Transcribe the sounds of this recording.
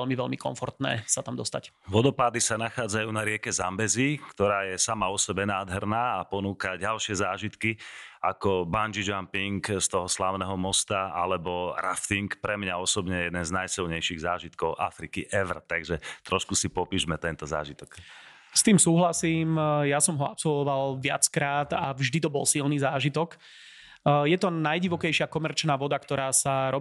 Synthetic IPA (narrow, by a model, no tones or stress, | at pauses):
ɛlmiʋɛlmikɔ̰ɱfɔɾt̪nɛ̰ːsat̪amd̪ɔst̪ac | ʋɔd̪ɔpaːd̪isanaxaːd͡zajuːnaɾɪɛkɛzambɛzikt̪ɔɾaːjɛsamaɔsɛbɛnaːd̪ɦɛɾnaːapɔnuːkaɟalʃɪɛzaːʒit̪kia̰kɔband͡ʒid͡ʒampiŋkst̪ɔɦɔslaːʊnɛːɦɔmɔst̪aalɛbɔɾaft̪iŋkpɾɛmɲaɔsɔbɲɛjɛd̪ɛnznajsilɲɛjʃiɣzaːʒit̪kɔʊʔa̰fɾikiʔɛʋrt̪aɡʒɛt̪ɾɔʃkusipɔpiːʒmɛt̪ɛnt̪ɔza̰ːʒit̪ɔk | st̪iːmsuːɦlasiːmjasɔmɦɔapsɔlʋɔʋalʋɪa̰t͡skɾaːt̪avʒd̪it̪̬ɔbɔlsilniːzaːʒit̪ɔk | jɛt̪ɔnajɟiʋɔkɛjʃɪakɔmɛɾt͡ʃnaːʋɔd̪akt̪ɔɾaːsaɾɔ